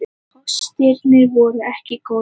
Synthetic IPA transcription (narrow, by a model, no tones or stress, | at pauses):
ɔst̪ɛɾnɪɾvɔːɾʏɛhcɪko